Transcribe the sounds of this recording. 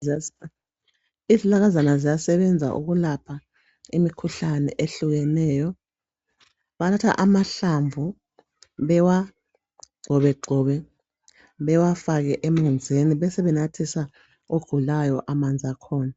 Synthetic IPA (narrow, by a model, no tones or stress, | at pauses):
izilaɣ̬azanazijasɛɓɛnd͡zʱa̰ʔṵɣ̬ulapʰa | imikʰuɬanɛ̰ʔeɬuɣ̬ɛnɛːjɔ | ɓanʰatʰa̰ʔamaɬaɱvʱu | ɓɛwa | ɡ͡ǀʱɔɓɛɡ͡ǀʱɔːβɛ | ɓɛwafak̬ɛʔemund͡zʱeniɓɛsɛβɛnatʰisa | oɡ̥ʱulajɔʔamand͡zʱakʰɔːna